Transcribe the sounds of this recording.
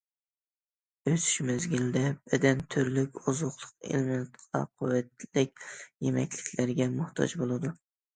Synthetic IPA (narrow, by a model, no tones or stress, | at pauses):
øsy̥ʃmɪzɡʲild̪ɛb̥ɛd̪ɛnt̪ʰʊɾlykʲʊzʊχlˠʊ̥q̚ḛlmɪnt̪qʰɑ̰qʰʊwːɛt̪̚lɪkʲjemɛ̰kʲlɪkʲlæɾɡʲɛmʊht̪ʰɑ̰d͡ʒbolˠɨd̪ʊ